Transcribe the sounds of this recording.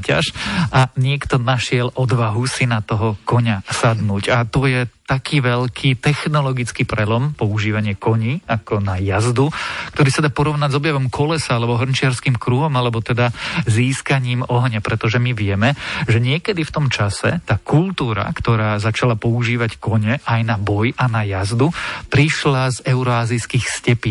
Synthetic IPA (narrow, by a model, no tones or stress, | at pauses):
ca̰ʃʔaɲɪɛkt̪ɔnaʃɪɛlʔɔd̪ʋaɦusinat̪ɔɦɔkɔɲasad̪nuːɟat̪ɔjɛt̪akʰiːʋɛʎkʰit̪ɛxnɔlɔɡit͡skipɾɛlɔmpɔuʒiːʋaɲɪɛkɔɲiakɔnajazd̪ukkt̪ɔɾiːsad̪aːpɔɾɔʊnaɟzɔbjaʋɔmkʰɔlɛsaalɛbɔɦr̩nt͡ʃɪaɾskimkɾuːɦɔmalɛbɔt̪ɛd̪aziːskaɲiːmɔɦɲɛpɾɛt̪ɔʒɛmiʋɪɛmɛʒɛɲɪɛkɛd̪ift̪ɔmt͡ʃasɛ̰t̪aːkʰult̪uːɾa̰kt̪ɔɾaːzat͡ʃalapɔuʒiːʋackɔɲɛʔajnabɔjʔanajazd̪upɾiʃlazɛʊɾɔaːziskiːxscɛpiː